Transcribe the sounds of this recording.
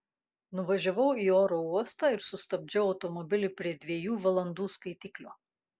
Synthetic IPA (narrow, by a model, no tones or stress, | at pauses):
nʊʋɐʒʲɛʋɐʊiːoːɾoːuɔst̪ɑːɪɾsʊst̪ɐb̚ʲd͡ʒʲɛʊɐʊt̪ɔmɔbʲɪlʲɪpʲɾʲiɛd̪ʲʋʲiɛjuːʋɐlˠɐnd̪uːskɐɪt̪ʲɪklʲoː